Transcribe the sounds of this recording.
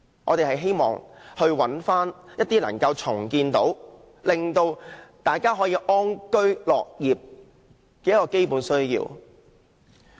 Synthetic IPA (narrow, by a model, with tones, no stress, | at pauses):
ŋɔ̰ː˨˧e˨˩ɦɐ˨jɦe˥jmɔ̰ː˨ŋhɵ˧ɥwɐ˨˥nfaː˥njɐ˥t̚t̪iː˥nɐ̰˨˩ŋkɐ˧wt͡sʰʊ˨˩ŋkiː˧nt̪o˨˥w | lɪ˨ŋt̪o˧wt̪aː˨jkaː˥ɦɔː˨˥jiː˧ʔɔː˥nkɵ˥ɥlɔː˨k̚jiː˨p̚ | kɛː˧˥jɐ˥kːɔː˧ke˥jpuː˨˥nsɵ˥ɥjḭː˧w